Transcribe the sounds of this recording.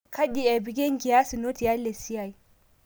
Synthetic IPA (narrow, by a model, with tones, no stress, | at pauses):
ka˦di˨a˨bi˨ɡʲe˦ŋ˦ɡi˨ja˦si˨no˦ti˨ja˦le˨si˦ja˨i˨